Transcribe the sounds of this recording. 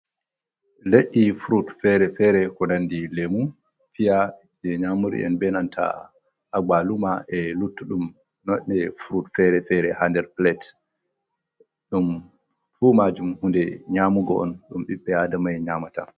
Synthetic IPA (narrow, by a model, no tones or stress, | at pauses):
leʔifuɾutfɛɾɛfɛɾɛkɔdandilemu | fija | d͡ʒɛɲamuɾḭʔɛ̰nbɛnantʰa̰ | aɡ͡balumaʔɛlutːuɗum | nɔʔɛfɾutfɛɾɛfɛɾɛhandɛɾplɛt | ɗum | fumad͡ʒumhundɛɲaːmuɡɔɔ̰nɗumɓiɓːɛadamajɲamata̰